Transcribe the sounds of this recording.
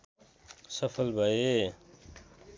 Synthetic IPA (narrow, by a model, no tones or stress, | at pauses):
sɐfɐlbɐe